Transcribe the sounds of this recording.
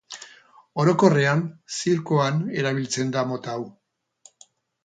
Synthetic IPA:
o̞ɾo̞ko̞re̞ansiɾkoane̞ɾaβ̞ilt͡se̞nd̪amo̞t̪aw

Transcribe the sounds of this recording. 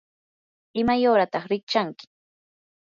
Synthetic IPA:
ɪmajoːɾat̪ɑχɾɪkt͡ʃaŋkɪ̥

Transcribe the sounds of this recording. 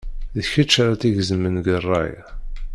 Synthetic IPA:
ðəçət͡ʃːaɾat̪iʝzəmːənɡərˤːɑ̰j

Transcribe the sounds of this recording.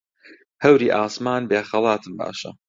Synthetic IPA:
hɐwɾiːʔaːsmaːnbeːxɐlˠɑːt̪ʰɨmba̰ːʃɐ̰

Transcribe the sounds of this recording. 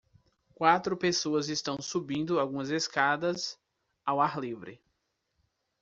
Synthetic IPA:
kwat̪ɾʊpesoɐzɪst̪ɐ̃w̃subĩnd̪ʊawɡũmɐzeskad̪ɐz | awaɾlivɾɪ̰

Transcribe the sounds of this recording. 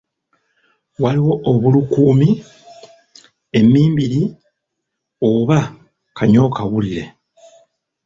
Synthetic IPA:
waliwo̞ʔːβulukuːmi | e̞miːmbiɾi | o̞βa | kʰaɲo̞ːkaβuliɾe

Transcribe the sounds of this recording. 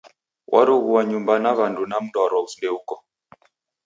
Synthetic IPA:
wʔa̰ɾuɣuwaɲumbanaβandunam̩daɾɔufundɛukɔ

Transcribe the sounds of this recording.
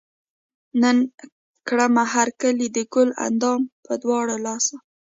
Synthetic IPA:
nən | kɽamaɦaɾkəlid̪əɡʊla̰nd̪ɑmpəd̪wɑɽalɑsa

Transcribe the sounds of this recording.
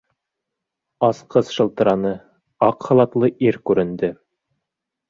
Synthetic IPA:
ɑsqɤsʃɤ̆lˠt̪ɤ̆ɾɑnɤ | ɑqχɑ̆lˠɑt̪lˠɤʔiɾkʉɾɘ̆nd̪ɘ

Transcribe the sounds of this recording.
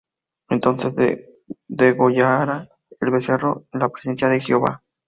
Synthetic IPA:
e̞nt̪o̞nsezð | d̪eɣoʝaɾa | elβe̞se̞roenlapɾese̞nsjaðexeoβa̰

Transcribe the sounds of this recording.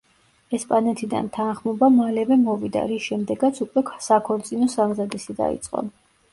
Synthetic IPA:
ɛspʼanɛt̪ʰid̪a̰nt̪ʰanχmɔbamalɛvɛmɔvid̪a̰ɾisʃɛmd̪ɛɡat̪sʰukʼwɛkʰsakʰɔɾt̪sʼinɔsamzad̪isid̪a̰ḭt̪sʼqʼɔ̰

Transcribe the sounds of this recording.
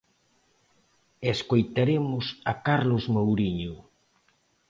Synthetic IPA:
eskojt̪aɾemʊsakaɾlozmowɾiɲʊ

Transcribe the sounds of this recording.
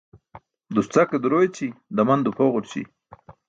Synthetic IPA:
d̪ust͡saked̪uɾojet͡ɕid̪amand̪upʰoɣʊʈt͡ɕḭ

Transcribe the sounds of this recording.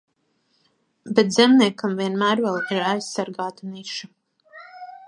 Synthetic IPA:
bet̪zɛmniɛkamviɛnmæːɾvɛlˠiɾajssaɾɡaːt̪aniʃa

